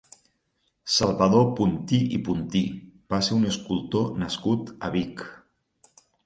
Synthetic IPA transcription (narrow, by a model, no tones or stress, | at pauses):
salˠβəðopunt̪iipunt̪ib̥aseɾunəskulˠt̪onəskut̪ə̰βik